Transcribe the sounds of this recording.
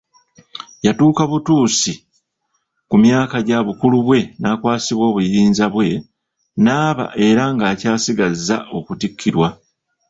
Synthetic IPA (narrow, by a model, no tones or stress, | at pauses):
jatuːkaβutuːsi | kumjaːkaɟaβukuluβwe̞naːkwaːsiβwo̞ːβujiːnzaβwe̞ | naːβa̰ʔe̞ɾaŋɡaːcaːsiɡazːa̰ʔo̞kutikʰːiɾwa